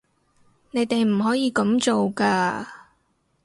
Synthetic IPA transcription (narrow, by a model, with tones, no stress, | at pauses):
ne˨˧jt̪e˨jm̩˨˩ɦɔː˨˥jiː˨˧kɐ˨˥mt͡so˨wkaː˧